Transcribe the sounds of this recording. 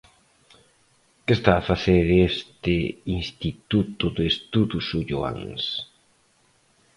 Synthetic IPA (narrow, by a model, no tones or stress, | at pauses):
kest̪aːfaθeɾest̪einst̪it̪ut̪uðest̪uðusuʎua̰ŋs